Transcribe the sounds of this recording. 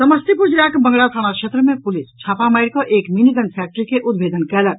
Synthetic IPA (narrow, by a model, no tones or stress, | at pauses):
səməst̪ʰipud͡ʒɾakbəŋɡɽat̪ʰaɽ̃akʃʰet̪ɾəmẽpulist͡ʃʰaːpamajɾkɔʔeːkminiɡənpʰɛk̚ʈəɾikeʔud̪bʱeːd̪ənkɛlək̚